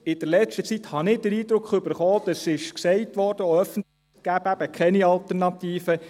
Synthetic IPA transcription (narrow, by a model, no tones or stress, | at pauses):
ɪd̥əɾlɛt͡ʃtət͡sithɑnɪd̥əɾiːd̪ɾʊkχʏbəɾχɔːd̥ɑsɪʃksɛɪtʋɔːrd̥əoœfən̩tləɪχɡ̥æːbæb̥əkʰɛniɑlt̪əɾnɑtiːfə